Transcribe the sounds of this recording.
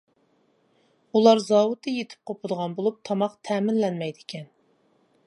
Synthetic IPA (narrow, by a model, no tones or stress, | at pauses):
ulˠɑɾzɑːwut̪ʰɨjet̪ʰɪ̥p̚qʰopʰʊd̪əʁɑnbolˠup̚t̪ʰɑmɑqt̪ʰɛːmɪnlɛnmɛjd̪ɪkʲɛn